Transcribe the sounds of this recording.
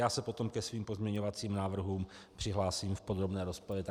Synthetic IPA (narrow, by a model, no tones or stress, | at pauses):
jaːsɛpo̞t̪o̞mkɛsviːmpo̞zmɲɛɲovat͡siːmnaːvr̩ɦuːm | pr̥ɪɦlaːsiːmfpo̞d̪ɾo̞bnɛːɾo̞spoɾɛt̪